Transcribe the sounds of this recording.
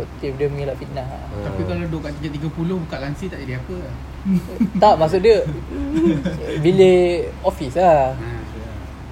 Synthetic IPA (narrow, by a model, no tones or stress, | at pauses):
ʔt̪ifdəmŋilaʔfit̪̚naɦ̪ | apikaladoʔkaʔt̪id͡ʒaʔt̪iɡapulohbukaʔlaŋsit̪aʔidiapə | t̪aʔmas̬uʔdiə | bileofisla